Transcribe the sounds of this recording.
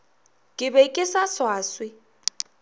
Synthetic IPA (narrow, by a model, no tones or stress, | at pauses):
kʼɪbɛkʼɪsaswaːswɪ